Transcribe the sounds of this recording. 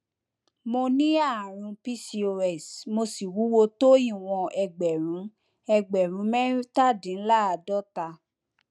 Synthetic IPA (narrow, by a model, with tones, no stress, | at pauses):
mo˧nĩ˦a˦˨ɾ̃ũ˧pi˦si˧o˧ɛ˨smo˧si˨wu˨˦wo˧to˦ĩ˦˨w̃ɔ̃˧ʔɛ˧ɡ͡bɛ˨ɾ̃ũ˨˦ | ɛ˧ɡ͡bɛ˨ɾ̃ũ˨˦mɛ̃˦i˦ta˦˨dĩ˨˦n̩˦la˦˨a˨˧dɔ˦ta˧